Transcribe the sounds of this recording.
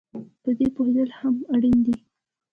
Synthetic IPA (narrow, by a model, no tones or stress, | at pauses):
p̪əd̪epoɦed̪əlhamaɽind̪i